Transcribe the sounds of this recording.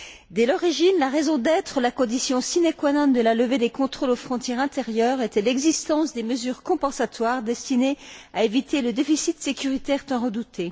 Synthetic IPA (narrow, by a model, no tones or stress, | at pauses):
d̪ɛlɔʁiʒinlaʁezɔ̃d̪ɛt̪χəlakɔ̃d̪isjɔ̃sinekwanɑ̃t̪̚d̪əlaləved̪ekɔ̃t̪χolofχɔ̃t̪jɛʁɛ̃t̪eʁjœʁɛt̪ɛlɛɡzist̪ɑ̃sd̪eməzyʁkɔ̃pɑ̃sat̪waʁd̪ɛst̪ineaevit̪ʰeləd̪efisit̪sekʲyʁit̪ɛʁt̪ɛ̃ʁəd̪ut̪ʰe